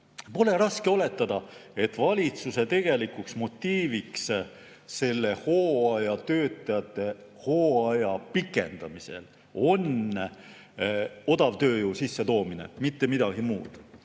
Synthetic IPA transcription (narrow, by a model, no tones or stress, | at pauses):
po̞le̞ɾɑskeo̞le̞t̪ːˑɑd̪̥ɑe̞t̪ːˑvɑlʲit̪suse̞t̪e̞ɡ̥e̞likːˑuksmo̞t̪ʲːiːviks | se̞lːe̞ho̞ːɑjɑt̪ø̞ːt̪ˑːɑjɑt̪ˑːe̞ | ho̞ːɑjɑpikːˑe̞̰nd̪̥ɑmise̞̰l | o̞n | o̞d̪̥ɑvt̪ø̞ːjuːsisːet̪o̞ːminḛmit̪ːemid̪ɑɡ̥imuːd̪̥